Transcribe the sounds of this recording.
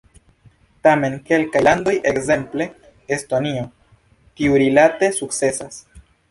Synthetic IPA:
tame̞nke̞lkajlando̞jʔe̞kze̞mple̞ː | stonio̞ | kiuɾilate̞suk̚t͡se̞sas

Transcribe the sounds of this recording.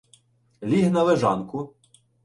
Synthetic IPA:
lʲiɦnɐʋeʒɑ̰nkʊ

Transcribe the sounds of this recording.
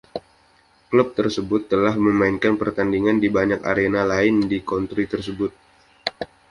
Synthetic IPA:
kləp̚t̪ərsəbʊt̪ːəlahməmaɪnkanpərt̪andiŋandibaɲaka̰ɾenalaɪndikɔnt̪ɾit̪ərs̬əbʊt̪̚

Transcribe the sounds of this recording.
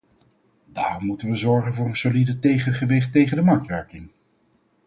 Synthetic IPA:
da̰ːrɔmːutənʋəzɔɹχənvʊːɹənsolidətejχəχəʋɪχtejχəndəmɑɹktʋɛɹkɪŋ

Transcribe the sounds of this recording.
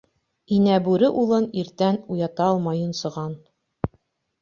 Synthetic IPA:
inæbʉɾɘʔulˠɤniɾt̪ænujɑt̪ɑlˠmɑjunsɤ̆ʁɑn

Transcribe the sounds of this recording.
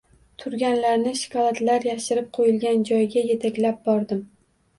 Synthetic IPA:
t̪ʰʊɾɡʲanlaɾnɪʃɪ̥kʰɒlˠat̪laɾjaʃɪɾɪp̚qʰojɪlɡʲand͡ʒɒjɡʲaje̞t̪ʰakʲlap̚bɒɾd̪ɪm

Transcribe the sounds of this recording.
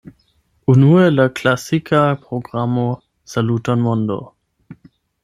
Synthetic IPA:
unuelaklasikʰapʁoɡʁamo | salutanmondo̰

